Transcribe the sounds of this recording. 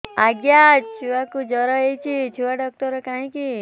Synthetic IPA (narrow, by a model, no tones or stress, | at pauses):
aɡjat͡ʃʰuʋakud͡ʒɔɾɔejt͡ʃʰit͡ʃʰuʋaɖɔk̚ʈɔɾɔkãĩki